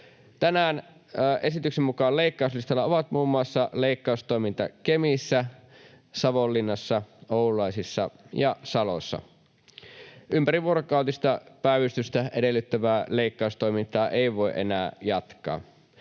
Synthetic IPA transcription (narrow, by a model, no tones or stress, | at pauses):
t̪ænæːnː | ʔe̞sit̪yksemmukɑːleikːɑˑuslist̪ɑlːɑoʋɑt̪muːmːuɑsːɑleikːɑust̪o̞ijmint̪ɑ̰kemisːæ | sɑʋolːinːɑsːɑoululɑisisːɑ̰jɑsɑlo̰sːɑ̰ | ʔympæɾiʋuoɾokɑˑuwt̪ist̪ɑpæˑiʋyst̪yst̪æʔedelːyt̪ːæʋæːleikːɑˑust̪o̞imint̪ˑɑːʔeˑiʋo̞eʔenæːjɑt̪kˑɑ̰ː